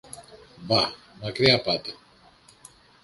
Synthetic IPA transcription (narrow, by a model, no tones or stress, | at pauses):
ba | mɐkɾiɐpat̪e